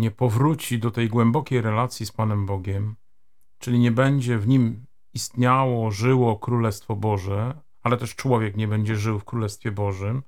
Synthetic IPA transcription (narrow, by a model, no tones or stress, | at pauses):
ɲɛpɔvɾut͡ɕid̪ɔt̪ɛjɡwɛmbɔkʲejɾɛlat̪sʲjispanɛmbɔɡʲɛm | t͡ʂɘlʲiɲɛbɛɲd͡ʑɛvɲim | ist̪ɲawɔʐɘwɔkɾulɛst̪fɔbɔʐɛ | alɛt̪ɛʂt͡ʂwɔvʲjɛkɲɛbɛɲd͡ʑɛʐɘwfkɾulɛst̪fʲjɛbɔʐɘm